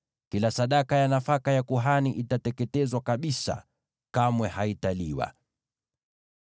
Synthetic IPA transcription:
kilasaɗakajanafakajakuɦaniʔitatɛkɛtɛzwakaɓisa̰ | kamwɛhaitaliwa̰

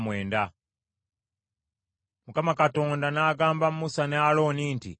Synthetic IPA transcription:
mwe̞ːnda | mukamakato̞ːndanaːɡaːmbamumusanealo̞ːniːntḭ

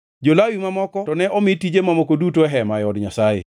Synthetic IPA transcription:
d͡ʒolawimamɔkɔtɔnɛʔɔmɪtid͡ʒemamɔkodutoɛɦɛmajɔdɲasajḛ

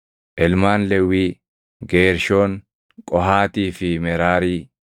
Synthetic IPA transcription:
ʔɛlmaːnlɛwːiː | ɡeːɾʃo̞ːŋ | kʼɔɦaːt̪iːfɪmɛɾaːɾiː

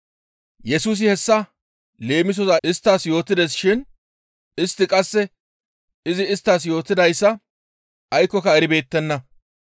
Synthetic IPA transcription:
jɛsuːs̬ɪhɛsːɐ | le̞ːmɪs̬ɔzɐɪst̪ːaːsjo̞ːt̪ːɪd̪ɛs̬ʃɪn | ɪst̪ːɪkʼɐsːɛ | ɪzɪːst̪ːaːs̬jo̞ːt̪ːɪd̪ɐjsːɐ | ʔɐjkːɔkɐɛɾɪbe̞ːt̪ːɛnːɐ

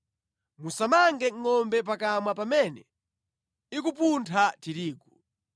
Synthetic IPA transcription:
musamaŋɡɛŋːɔmbɛp̬akamwapamɛnɛ | ik̬up̬untʰatiɾiːkɔ

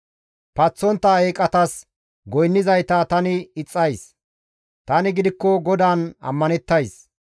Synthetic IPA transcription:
pɐt͡sːɔnt̪ːɐeːkʼɐt̪ɐs | ɡɔjnːɪzɐjt̪aːt̪ɐnɪɪt͡sʼːɐjs | t̪ɐnɪɡɪd̪ɪkːɔɡɔd̪aːnɐ̰mːɐnɛt̪ːɐjs

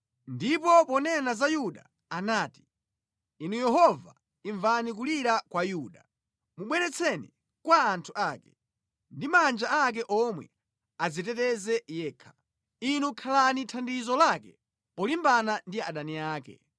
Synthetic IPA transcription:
ndipɔpɔnɛnazajuɗa | anaːti̥ | inujɛɦɔva̰ | iɱvanik̬uliɾakwajuːɗa | muɓwɛɾɛt͡sʰɛni | kwaːntʰuʔaːkɛ̥ | ndimand͡ʒaak̬ɛʔɔmwɛ̰ | azitɛtɛzɛjɛːkʰḁ | inukʰalanitʰandizɔlakɛ | pɔlimbanandiaɗaniaːkɛ̰

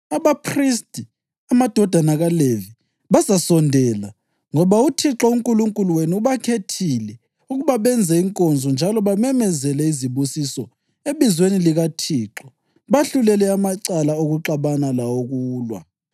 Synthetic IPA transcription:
aβapʰristʼi | amad̥ʱɔd̥ʱanaɣalevi | βazasɔndʱɛla | ŋɔβautʰiǁɔuŋkʼuluŋkʼuluweniuβakʰetʰilɛ | uɣuβaβɛnd͡zʱɛiŋkʼɔnd͡zʱɔnd͡ʒʱalɔβamɛmɛzɛlɛiziβusisɔ | eβizweniliɣatʰiːǁɔ | βaɬulɛlɛamaǀalaoɣuǁaβanalawoɣuːlwa̰

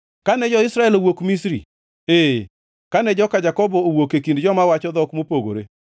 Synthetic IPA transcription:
kanɛd͡ʒɔɪsɾaɛlowokmis̬ɾḭ | e | kanɛd͡ʒɔkad͡ʒakɔbɔowokekindd͡ʒɔmawat͡ʃɔd̪ɔkmopoɡo̰ɾe

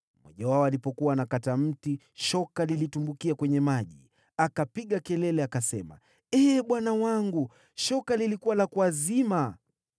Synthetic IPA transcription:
mɔ̰ʄawaɔalipɔkuwaːnakatam̩ti | ʃɔkalilitumbukiakwɛɲɛmaʄḭ | akapiɠakɛlɛlɛakasɛma̰ | ɛːɓwanawaŋɡu | ʃɔkalilikuwalakwazima

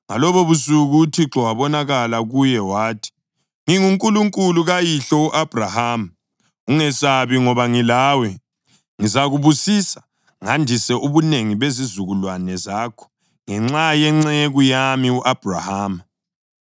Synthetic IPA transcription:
ŋa̰lɔβɔβusuɣutʰiǁɔwaβɔnaɣalaɣujɛwaːtʰi̥ | ŋiŋuŋkʼuluŋkʼuluɣajiɬɔuʔab̥ʱrahaːm | uŋɛsaβiŋɔβaŋilaːwɛ | ŋizaɣuβusiːsḁ | ŋandʱisɛʔuβuneŋiβezizuɣulwanɛzaːkʰɔ̥ | ŋɛŋ͡ǁajɛŋ͡ǁɛeɣujamiuʔab̥ʱra̰haːm

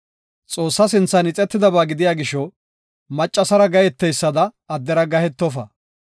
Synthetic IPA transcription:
t͡sʼo̞ːsːɐsɪnt͡sːɐnɪt͡sʼɛt̪ːɪd̪ɐbaːɡɪd̪ɪjaːɡɪʃɔ | mɐt͡ʃʼːɐsɐɾɐɡɐjɛt̪ːɛjsːɐd̪ɐː | d̪ːɛɾɐɡɐhɛt̪ːɔfɐ

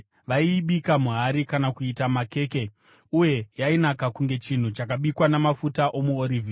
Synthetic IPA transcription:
ʋaiːɓikamuɦaɾikanakuitamake̞ːke̞ | uje̞jainakakuŋɡe̞t͡ʃin̤ut͡ʃakaɓikwanamafutaʔo̞muoɾivʱiː

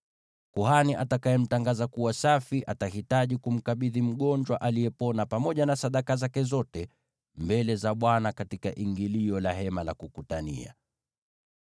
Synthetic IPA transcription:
kuhaniʔatakaɛm̩taŋɡazakuwasafiʔatahitaʄikum̩kaɓiðim̩ɠɔnd͡ʒwaʔalijɛpɔnapamɔʄanasaɗakazakɛzɔtɛ | mbɛlɛzaɓwanakatikaʔiŋɡiliɔlaɦɛmalakukutanḭa̰

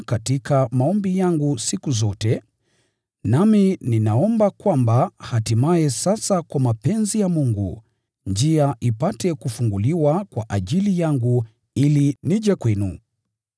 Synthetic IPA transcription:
katikamaɔmbijaŋɡusikuzɔtɛ | namininaɔmbakwambahatimaɛsasakwamapɛnzijamuŋɡṵ | ɲd͡ʒiaʔipatɛkufuŋɡuliwakwaʔaʄilijaŋɡu | iliniʄɛkwɛnu

